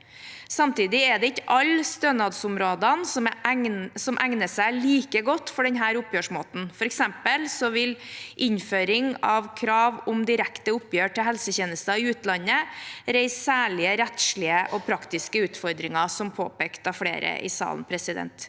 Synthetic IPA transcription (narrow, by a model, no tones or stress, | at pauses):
sɑmt̪iːd̪ɪɛd̪ɛɪçəʔɑlst̪ønɑd̪sʊmɾoːd̪ɑnsɔm | sɔmʔæŋnəsæɪliːkəɡɔt̪ːfɔɖɛnɦæːɾʊpjøːʂmoːt̪n̩fɔɾɛksɛmpəlsɔʋɪlʔɪɲføːɾɪŋɑʋkʰɾɑːʋʊmd̪ɪɾækt̪əʊpjøːʈʰɪlɦɛlsəçeːnəst̪ɑɪʉːt̪lɑnːəɾæɪsːæːɭɪəɾɛt̪ʂɭɪəʔɔpʰɾɑkt̪ɪskəʉːt̪fɔɾd̪ɾɪŋɑsɔmpʰo̰ːpɛːkt̪ɑfɽḛːɾə̰ʔɪ̰sɑ̰ːln̩pʰɾɛsɪd̪ɛ̰nt̪